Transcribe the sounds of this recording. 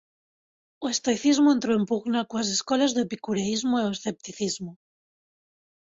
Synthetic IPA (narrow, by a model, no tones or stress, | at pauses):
oest̪ojθizmoẽnt̪ɾoempuɣnakuas̬eskolazðepikuɾeizmoeoesθe̞p̚t̪iθizmo